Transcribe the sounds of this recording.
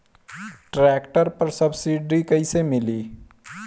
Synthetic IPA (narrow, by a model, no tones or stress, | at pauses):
ʈɾɛkʈəɾpəɾsəbsiɖɾikəɪsemɪli